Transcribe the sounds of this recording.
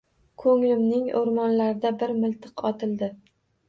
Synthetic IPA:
kʰɵŋlɪmnɪŋo̰ɾmɒnlaɾɪd̪abɪɾmɪlˠt̪ʰɨqɒt̪ʰɪlˠd̪ɪ

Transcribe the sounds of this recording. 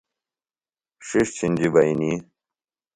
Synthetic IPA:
ʂiʂt͡ɕʰinʲd͡ʑibɐini

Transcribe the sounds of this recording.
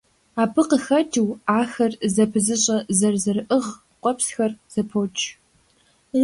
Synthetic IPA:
aːbʰɨqəxɐtʰɨwaːxɐrzɐpʰɨzɨɕʼɐzɐrzɐrɨʔɨʁ | qʷʼɔpsxɐrz̥ɐpʰot͡ʃʰʼ

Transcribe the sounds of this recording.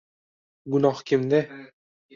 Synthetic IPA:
ɡʊnɒhkʲʰɪmd̪ɪ

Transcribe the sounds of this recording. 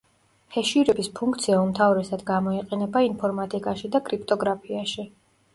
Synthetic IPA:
hɛʃiɾɛbispʰũŋkʰt̪sʰiaumt̪ʰavɾɛsad̪ɡamɔiqʼɛnɛbainpʰɔɾmat̪ʼikʼaʃid̪akʼɾipʰt̪ʼɔɡɾapʰiaʃi

